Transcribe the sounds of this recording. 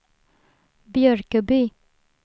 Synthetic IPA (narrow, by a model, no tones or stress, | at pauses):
bjœɾkəbyː